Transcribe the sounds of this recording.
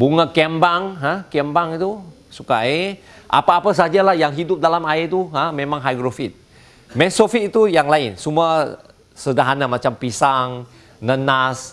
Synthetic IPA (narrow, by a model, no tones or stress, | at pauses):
buŋakɛmbaŋɦãkɛmbaŋit̪u | sukae | ʔa̰paːpas̬ad͡ʒalahjaŋɦidʊp̚dalamait̪uɦãmẽmãŋɦajɡɾofit̪̚ | mɛ̃sofit̪̚it̪ujaŋlaɪnsumua | sədaɦanamãt͡ʃampisaŋ | nənas